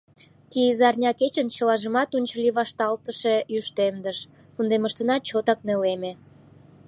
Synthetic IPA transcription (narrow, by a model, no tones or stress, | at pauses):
t̪iəzɑrnʲɑket͡ɕənt͡ɕəlɑʒəmɑt̪unʲt͡ɕəliβɑʃt̪ɑlt̪əʃejyʃt̪emd̪əʃ | kund̪eməʃt̪ənɑt͡ɕot̪ɑkneleme